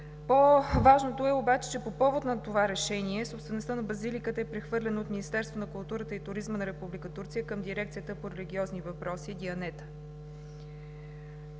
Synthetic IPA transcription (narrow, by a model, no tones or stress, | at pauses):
povaʒnot̪oɛobat͡ʃɛ̥t͡ʃɛpopɔvot̪nɐt̪ovaɾɛʃɛniɛsopsvɛnost̪ənɐbɐzilikət̪əɛpɾɛxvɤɾlʲɛnoot̪minist̪ɛɾst̪vonɐkʊlˠt̪uɾət̪əit̪ʊɾizmənɐɾɛpublikət̪uɾt̪sʲijəkəmd̪iɾɛk̚t̪sijət̪əpoɾɛliɡ̟ʲiɔznivɐpɾɔsid̪iɐnɛt̪ə̥